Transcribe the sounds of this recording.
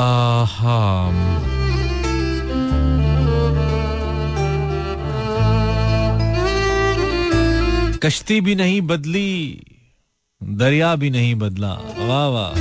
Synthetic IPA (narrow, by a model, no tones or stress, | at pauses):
aha | kɐʃt̪ibʱinɐɦĩbɐd̪li | d̪ɐɾjaːbʱinɐɦĩbɐd̪lã̰ːʋaːʋa̰ː